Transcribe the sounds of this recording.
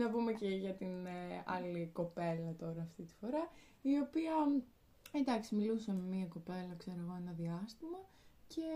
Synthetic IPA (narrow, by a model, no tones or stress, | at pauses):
nɐbumeceʝɐt̪inɐ̰liko̞pe̞lɐt̪o̞ɾɐːft̪it̪i̥fo̞ɾɐ | io̞piɐ | ed̪ɐksimilusɐme̞miɐko̞pe̞lɐkse̞ɾoɣo̞e̞nɐðiɐst̪imɐ | ce̞